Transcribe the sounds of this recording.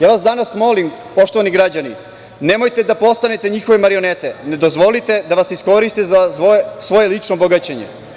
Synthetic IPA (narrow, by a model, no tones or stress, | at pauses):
jaːʋasd̪anasmo̞limpo̞ʃt̪o̞ʋaniɡɾad͡ʑani | nemojt̪e̞d̪apo̞st̪anet̪e̞ɲixo̞ʋemaɾio̞net̪ene̞d̪o̞zʋo̞lit̪e̞d̪aʋasisko̞ɾist̪ezasʋo̞jelit͡ʂnoboɡat͡ɕeɲḛ